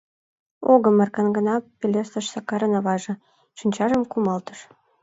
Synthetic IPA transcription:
oɣɤ̆mɑrkɑnɡə̆nɑpʲːelʲest̪ə̆ʃsɑkɑɾɤ̆nɑ̆βɑʒɤ̆ | ʃinʲt͡ɕɑʒə̆mkumɑlt̪ə̥̆ʃ

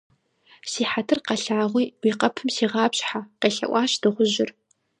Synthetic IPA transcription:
siːħatʰɨrqɐɬaːʁʷiːwiːqɐpʰɨmsiːʁɑːpɕʼħaqeːɬɐ̰ʔʷɑːɕd̥ɨχʷʊʑɪr

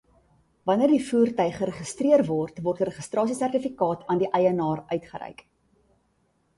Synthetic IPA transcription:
vɐniərdifuərtœjχəɾəχəstriərvɔrtvɔrtrɾəχəstrɑːsisærtifikɑːtʰɑːndiʔɛjənɑːrœɥtχəɾɛ̰jk

